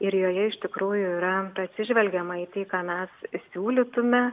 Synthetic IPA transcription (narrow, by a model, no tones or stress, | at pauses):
ɪɾjoːjɛɪʃʲt̪ʲɪkɾuːjʊiːɾɐɐt̪ʲsʲɪʒʲʋʲɛlʲɡʲɛmɐiːt̪ʲeːkɑːmʲæssʲuːlʲɪt̪ʊmʲɛ